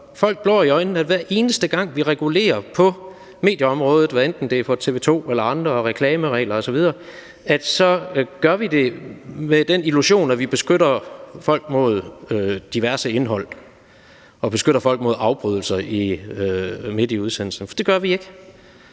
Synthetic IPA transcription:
fɒ̽l̰ɡ̥̚b̥lɒ̰ːiɒ̽ɪnn̩æd̥ʋæɐʔe̝ːnəsd̥əɡ̥ɑ̈ŋ̰ʋiʁɛɡ̥ule̝̰ːɐpʰɒ̽ | me̝ːd̥jəɒ̽mʁɔ̽ːð̞ˠð̩ˠʋæend̥n̩d̥e̝fɒt͡sʰe̝ʋe̝ːt͡sʰo̝̰ːelɐɑ̈nd̥ʁɐʁɛkʰlɛːməʁɛ̰ːlɐɒ̽sɒ̽ʋið̞ˠɐː | æd̥sɒ̽ɡ̥ɶɐʋid̥e̝med̥eniluɕo̝̰ːnæʋib̥e̝sɡ̥øɾɐfɒ̽l̰ɡ̥mo̝ð̞̰ˠød̥iʋæɐsəe̝nɦɒ̽l̰ | ɒ̽b̥e̝sɡ̥øɾ̥ɐfɒ̽l̰ɡ̥mo̝ðˠɑ̈ʊb̥ʁyð̞ˠl̩sɐiøme̝d̥jəuð̞ˠsen̰l̩sn̩fɒd̥e̝ɡ̥ɶɐʋie̝ɡ̥ə

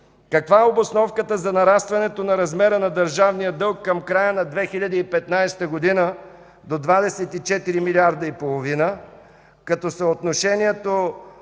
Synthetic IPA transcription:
kɐkvaɛobosnɔfkət̪əzɐnɐɾast̪vɐnɛt̪onɐɾɐzmɛɾənɐd̪əɾʒavnijəd̪ɤlˠkːɐmkɾajənɐd̪vɛxilʲɐd̪iipɛt̪najst̪əɡod̪inə | d̪od̪vad̪ɛsɛt̪it͡ʃɛt̪iɾimilʲiaɾd̪ɐipolˠovinə | kɐt̪ɔsəot̪noʃɛniɛt̪o

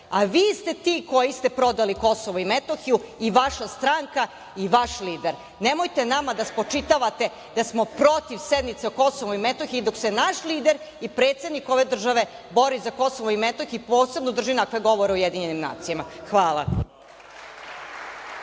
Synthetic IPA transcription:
aʋiːst̪e̞t̪iːko̞jist̪e̞pɾo̞d̪aliko̞soʋoimet̪oxijuiʋaʃast̪ɾaŋka | iʋaʃliːd̪eɾ | nemojt̪enamad̪aspot͡ʂit̪aʋat̪e̞ | d̪asmopɾo̞t̪iʋsed̪nit̪seuko̞soʋoimet̪oxiid̪oksenaʃliːd̪eɾ | ipɾeːt̪sed̪niko̞ʋe̞d̪r̩ʒaʋe̞bo̞ɾizako̞soʋoimet̪oxiipoːse̞bnod̪r̩ʒinakʋeɡo̞ʋoɾeujed̪iɲenimna̰ːt̪sijamaxʋaːlˠa̰

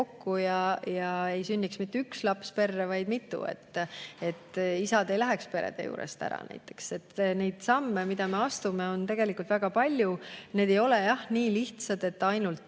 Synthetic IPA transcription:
okːujɑjɑe̞jsynʲːiksmit̪ːeykslɑpspe̞rːevɑjd̪̥mit̪ːˑṵḛt̪ːe̞t̪ːisɑd̪e̞jlæɦekspe̞ɾḛd̪̥e̞̰jṵːɾḛst̪æ̰ɾɑ̰næ̰jt̪ːˑe̞̥kse̞t̪ːne̞jd̪̥sɑmːemid̪̥ɑme̞ɑst̪ume̞o̞nt̪e̞ɡ̥elikˑult̪væɡ̥ɑpɑlʲjuned̪e̞jo̞lejɑhniːliht̪sɑd̪̥e̞t̪ːɑjnult̪

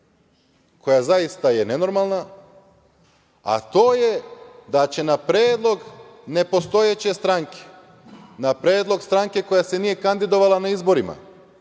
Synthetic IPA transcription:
kʰo̞jazajist̪aje̞ne̞no̞ɾmalˠna | a̰t̪o̞ːjed̪at͡ɕe̞napɾeːd̪lˠo̞ɡne̞po̞st̪o̞jet͡ɕe̞st̪ɾaŋkʰe̥ | napɾeːd̪lˠo̞ɡst̪ɾaŋke̞ko̞jasenije̞kand̪id̪o̞ʋalˠanaizbo̞ɾima̰

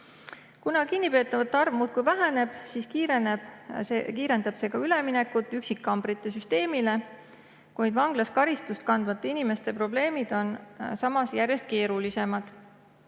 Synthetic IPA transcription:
kunɑkinːipe̞ːt̪ːˑɑvɑt̪ːˑɑrvmuːt̪̚kujvæɦæne̞b̥siskiːɾeneb̥ekiːɾe̞nd̪ɑb̥se̞kɑyle̞mine̞kːˑut̪ːˑyksikːɑmb̥ɾit̪ːˑe̞syst̪e̞ːmile̞ | kujd̪vɑŋɡ̥lɑskɑɾist̪ust̪̚kɑnd̪̥vɑt̪ˑːɑinime̞st̪e̞pro̞ble̞ːmid̪̥o̞nsɑmɑsjærje̞st̪̚ke̞ːɾulise̞mɑd̪̥

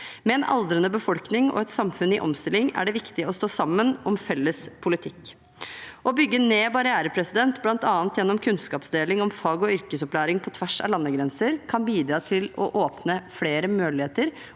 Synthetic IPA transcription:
mɛɛnɑ̰ld̪ɾənəbəfɔlknɪŋɔ̰ɛt̪sɑmfʉnɪʔɔ̰mst̪ɪlːɪŋæ̰ɖɛʋɪkt̪ɪɔst̪oːsɑmːənɔmfɛlːəspʰʊlɪt̪ʰɪkː | ʔɔbʏɡːəneːbɑɾɪæːɾəpʰɾɛsɪd̪ɛnt̪blɑnt̪ɑːnt̪jɛnːɔmkʰʉnskɑːpsd̪eːlɪŋɔmfɑːɡɔʏɾkəsɔplæːɾɪŋpʰɔt̪ʰʋæʂɑ̰lɑnːəɡɾɛnsəɾkʰɑnbiːd̪ɾɑːt̪ʰɪlɔ̰ʔoːpnəfɽeːɾəmøːlɪheːt̪əɾ

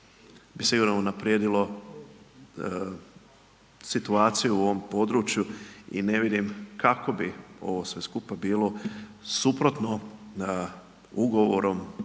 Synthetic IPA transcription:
bisiɡuːɾnounapɾjeːd̪ilo̞ | sit̪uaːt̪sijuuo̞ʋompo̞d̪ɾuːt͡ʃjuḭne̞ʋid̪imkako̞bio̞̰ʋosʋe̞skupabiːlˠo̞supɾo̞t̪no | uɡo̞ʋoɾo̞m

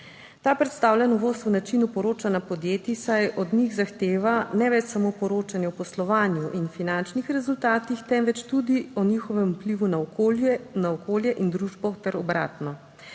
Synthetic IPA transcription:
t̪aːpɾɛt̪st̪aːwlʲjɛnɔʋoːst̪unat͡ʃinupɔɾoːt͡ʃanapɔd̪jeːt̪isajɔd̪niɣzaxt̪eːʋanɛʋɛt͡ʃsamopɔɾoːt͡ʃanjɛɔpɔslɔʋaːnjuʔinfinant͡ʃnixɾɛzult̪aːt̪ixt̪ɛmʋɛt͡ʃt̪ud̪iɔnixɔʋɛmupliʋuna | naɔkʰoːljɛʔind̪ɾuʒbɔt̪ɛɾɔbɾa̰ːt̪nɔ

